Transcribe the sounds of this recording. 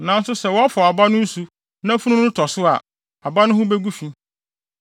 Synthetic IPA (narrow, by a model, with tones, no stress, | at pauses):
nã˨˦n˦sʊ˦sɛ˨wɔ˦a˦fɔ˨a˨ba˦nʊ̃˦n̩˦su˨ | nã˦fũ˦ũ˦ʊ̃˦tʰɔ˨sʊ˦a̰˨ | a˨ba˦nʊ̃˦hʊ̃˦be˦ɡu˦fĩ˦